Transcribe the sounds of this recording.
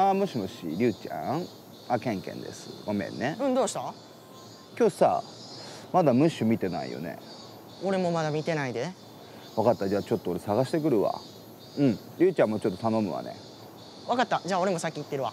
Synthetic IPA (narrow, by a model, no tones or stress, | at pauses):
amoɕimoɕḭɾʲɨːt͡ɕã̰ | akẽ̞ŋkḛ̃nd̪e̞̰sɨ̰ɡomẽ̞̰nːeɯ̟̃ɴd̪oːɕi̥t̪a | kʲo̞ːsa | mad̪amɯ̟ɕɨmʲit̪e̞na̰ḭjo̰ne̞̰ | o̞ɾe̞mo̞mad̪amʲit̪e̞naid̪e̞ | βakat̪ːad͡ʑaːt͡ɕo̞t̪ːooɾe̞saɣaɕi̥t̪e̞kɯ̟ɾɯ̟βa̰ | ɯ̟̃ɴ | ɾʲɨːt͡ɕãmːot͡ɕo̞t̪ːot̪ano̞mɯ̟βa̰nḛ | βakat̪ːad͡ʑaːo̞ɾe̞mosakʲːit̪ːe̞ɾɯ̟βa